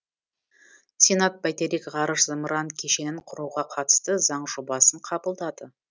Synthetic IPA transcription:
sʲenɑt̪̚bæjt̪eɾikʁɑɾəʃzəməɾɑŋkʲʰe̞ʃe̞nɪɴqʰʊɾuʁɑqʰɑt̪ə̥st̪əzɑɴʒ̥obɑsəɴqʰɑbəlˠd̪ɑd̪ə

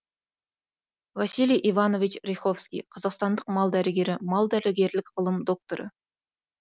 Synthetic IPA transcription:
vasilijʔivɑno̞vit͡ʃɾʲejχo̞fskʲḭjqʰɑzɑqst̪ɑnd̪əqmɑlˠd̪æɾɪɡʲe̞ɾɪmɑlˠd̪æɾɪɡʲe̞ɾlɪkʲqʰəlˠəmd̪o̞k̚t̪oɾə̰

